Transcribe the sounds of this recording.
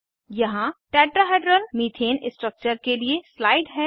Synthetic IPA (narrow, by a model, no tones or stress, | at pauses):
jɐɦãʈɛːʈɾaɦeːɖɾəlmiːt̪ʰeːnɪsʈɾək̚t͡ʃəɾkelieslaːɪɖɦɛː